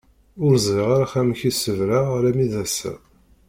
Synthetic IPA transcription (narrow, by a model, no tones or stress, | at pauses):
ʊɾzˤʁiʁaɾaχæmçisəvɾaɾæmiðæsːæ̰